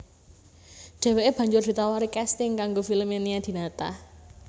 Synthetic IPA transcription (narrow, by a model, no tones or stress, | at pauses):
d͡ʒ̥a̤weʔeb̥ä̤ɲd͡ʒʊrd̪i̤t̪awaɾikɛst̪ɪŋkaŋɡofiləmeniad̪̥i̤nat̪a̰h